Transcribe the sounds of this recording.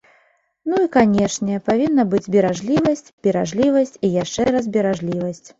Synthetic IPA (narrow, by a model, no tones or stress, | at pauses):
nuikanʲɛʂnʲɛpavʲinːɐbɨd͡zʲbʲɛɾaʐlʲivɐsʲt͡sʲb̥ʲɛɾaʐlʲivɐsʲt͡sʲijaʂt͡ʂɛɾɐzbʲɛɾaʐlʲivɐsʲt͡sʲ